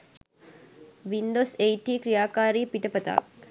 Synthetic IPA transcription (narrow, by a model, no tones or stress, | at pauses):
ʋiɳɖosejʈiːkɾijaːkaːɾiːpiʈəpət̪a̰k̚